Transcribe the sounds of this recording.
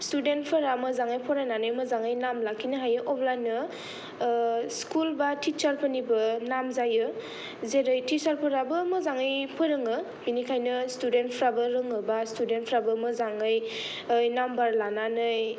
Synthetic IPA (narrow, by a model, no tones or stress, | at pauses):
studentpʰɯɾamɯzaŋajpʰɔɾananɯjmɯzaŋɯjnamlakʰinɯɦajɯʔɔpʰlajnɯ | skulbatit͡ʃaɾpʰɯnibɯnamzajɯ | zeɾɯjtisaɾpʰɯɾabɯmɯzaŋɯjpʰɯɾɯŋɯ | binikʰajnɯstudentpʰɾabɯɾɯŋɯbastudentpʰɾabɯmɯzaŋɯj | jnambaɾlananɯj